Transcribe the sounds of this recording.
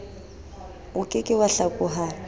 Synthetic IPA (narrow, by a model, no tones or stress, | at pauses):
ʊkʼɪkʼɪwaɬakʼʊɦa